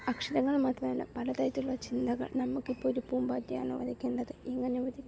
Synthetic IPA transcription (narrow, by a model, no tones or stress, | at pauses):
ɐkʂiðɐŋːɐɭmaːʈːrɐmelːɐ̰pɐlɐt̪ɐjɐt̪ːuɭːɐt͡ɕind̪ɐɣɐ̰ɭnɐmːukːipːoːɾupuːmbaːtːija̰ːɳɨʋɐ̰d̪ʱikʲːeːɳɖɐðɨʔeŋːɐneʋɐd̪ʱikʲː